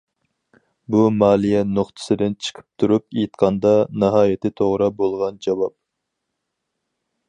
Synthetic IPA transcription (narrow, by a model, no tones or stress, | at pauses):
bumɑːlˠijɛnoχt̪ʰɨ̥sɨd̪ɪnt͡ʃʰə̥qʰə̥p̚t̪ʰuɾupejt̪qʰɑnd̪ɑnɑɦɑːjɪt̪ʰɪt̪ʰoʁɾɑbolˠʁɑnd͡ʒɑwɑp̚